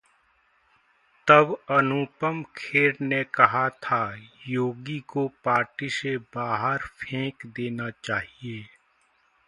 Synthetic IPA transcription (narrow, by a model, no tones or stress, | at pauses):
t̪ɐbɐnupəmkʰeːɾnekɐɦat̪ʰajoːɡikopaːʈisebaːɦəɾpʰẽːkd̪eːnat͡ʃaːɦieː